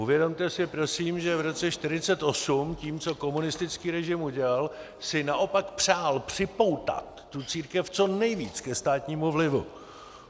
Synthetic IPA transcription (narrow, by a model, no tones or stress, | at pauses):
uvjɛdo̞mt̪ɛsɪpɾo̞siːmʒɛvɾo̞t͡sɛʃt̪ɪɾ̝ɪt͡sɛt̪ʔo̞sumciːmt͡so̞ko̞munɪst̪ɪt͡skiːɾɛʒɪmuɟɛlal | sɪnaʔo̞pakpr̝̥aːlpr̥ɪpo̞wt̪a̰t̪ːut͡siːɾkɛft͡so̞nɛjviːt͡skɛst̪aːt̪ɲiːmuvlɪvṵ